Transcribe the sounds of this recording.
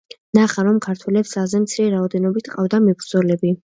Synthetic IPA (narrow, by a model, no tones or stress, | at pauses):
naχaɾɔmkʰaɾt̪ʰwɛlɛpsazɛmt̪sʰiɾɛɾaɔd̪ɛnɔbit̪ʰqʼavd̪amɛbɾd̪zɔlɛbi